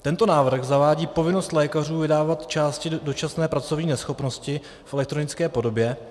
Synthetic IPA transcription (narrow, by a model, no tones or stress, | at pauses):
t̪ɛnt̪o̞naːvr̩ɣzavaːɟiːpo̞vɪno̞st̪lɛːkar̝uːvɪdaːvat̪t͡ʃaːscɪdo̞t͡ʃasnɛːpɾat͡so̞vɲiːnɛsxo̞pno̞scɪ | fɛlɛk̚t̪ɾo̞nɪt͡skɛːpo̞do̞bjɛ